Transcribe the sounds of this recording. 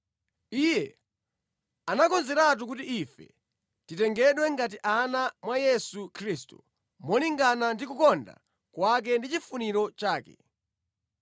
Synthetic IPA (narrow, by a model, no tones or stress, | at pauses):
ijɛ | anakɔnzɛɾat̬uk̬utiifɛ̰ | titɛŋɡɛɗwɛŋɡat̬iʔanamwajɛsukʰɾistṵ | mɔliŋɡanandikukɔnda̰ | kwak̬ɛndit͡ʃifuniɾɔt͡ʃaːkɛ̰